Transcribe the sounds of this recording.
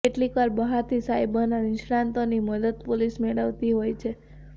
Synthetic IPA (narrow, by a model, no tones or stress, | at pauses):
eʈlikaɾbəɦaɾt̪ʰisajbənanɪʃɽãnt̪oniməd̪əd̪polismeɭəʋt̪iɦojt͡ʃʰe